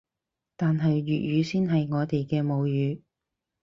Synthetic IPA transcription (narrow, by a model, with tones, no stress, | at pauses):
t̪aː˨nɦɐ˨jɥyː˨t̚jyː˨˧siː˥nɦɐ˨jŋɔː˨˧t̪e˨jkɛː˧mo˨˧wjyː˨˧˥